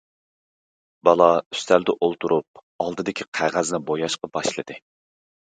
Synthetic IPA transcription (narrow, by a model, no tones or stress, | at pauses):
bɑlˠɑy̥st̪ʰæld̪ɪʔolˠt̪ʰuɾʔup̚ | ɑlˠd̪ɨd̪ɪkʲʰiqʰæʁæznɪbojɑʃqɑbɑʃlˠɨd̪ɨ